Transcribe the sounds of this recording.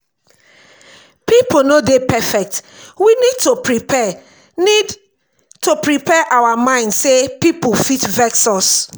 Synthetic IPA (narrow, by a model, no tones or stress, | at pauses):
piponodepɛfɛk̚twinid̚topɹipɛ | nid | topɹipɛʔawamãɪ̃ndsepipofitvɛksɔs